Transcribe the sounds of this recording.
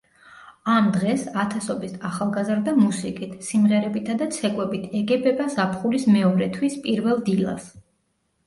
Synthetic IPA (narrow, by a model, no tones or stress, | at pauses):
amd̪ʁɛsat̪ʰasɔbisaχalˠɡazɾd̪amusikʼit̪ʰsimʁɛɾɛbit̪ʰad̪at̪sʰɛkʼwɛbit̪ʰɛɡɛbɛbazapʰχulismɛɔɾɛt̪ʰwispʼiɾvɛlˠd̪ilˠa̰s